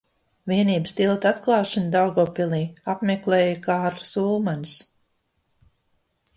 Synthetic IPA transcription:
viɛniːbəst̪ilˠt̪at̪klˠɑːʃand̪awɡɔːpilˠiːapmeklɛːjakaːɾlˠu̥suːlˠmans

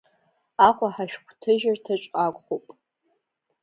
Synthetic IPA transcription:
aqʷʼaħaʃᶣkʷʰtʰɨʒartʰaʈ͡ʂʼqʼakʷʼχopʼ

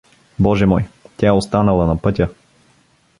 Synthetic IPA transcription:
bɔʒɛmɔjt̪ʲaɛost̪anəlˠɐnɐpɤt̪ʲə

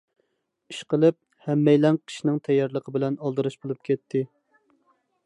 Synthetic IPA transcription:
iʃqəlˠɨp̚ | hɛmːɛjlɛŋqʰi̥ʃinɪŋt̪ʰɛjːɑɾlˠəqʰəbɪlɛnɑlˠd̪ɨɾɨʃbolˠup̚kʲɛt̪ʰːɪ

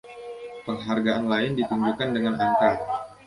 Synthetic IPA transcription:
pəŋɦarɡaʔanlaɪndit̪uɲd͡ʒukandəŋanank̪ar

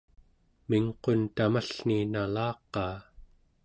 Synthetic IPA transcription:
miŋqo̞nt̪amaɬninalɑːqːɑː

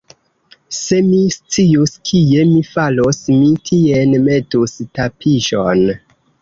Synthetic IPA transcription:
se̞mist͡siuskʰie̞mifalosmitʰienme̞tustapʰiʒon

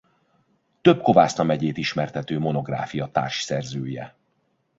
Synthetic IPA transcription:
t̪ø̞bko̞vaːsnɒmɛɟeːt̪iʃmɛrt̪ɛt̪øːmo̞no̞ɡra̰ːfijɒt̪a̰ːrʃsɛrzøːjɛ̰

